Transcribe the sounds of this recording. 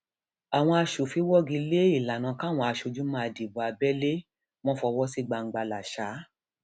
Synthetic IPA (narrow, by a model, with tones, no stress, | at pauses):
a˨w̃ɔ̃˧a˧ʃo˨fi˧˦wɔ˦ɡĩ˧le˦i˦˨la˨nã˧ka˦˨w̃ɔ̃˧a˧ʃo˨d͡ʒũ˨˦mãː˦˧˨di˨bu˨˦a˧bɛ˦le˦ | wɔ̃˦fɔ˧wɔ˦si˦˨ɡ͡ba˧˨ŋ̩˦ɡ͡ba˧la˨ʃa˨˦